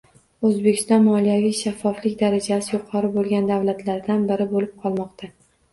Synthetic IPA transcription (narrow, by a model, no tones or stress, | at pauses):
ɵzbekʲɪ̥st̪ɒnmɒlijavijʃafːɒflɪkʲd̪aɾad͡ʒasɪjʊqʰɒɾɪbolˠɡʲand̪avlat̪ʰlaɾd̪anbɪɾɪbolɪb̚qʰɒlˠmɒqt̪ʰa